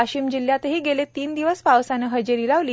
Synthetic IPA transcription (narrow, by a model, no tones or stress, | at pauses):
aɕiːmd͡ʑiljat̪ɦiːɡelet̪iːnd̪iʋəspaʋsanəɦəd͡ʑəɾiːlaʋliː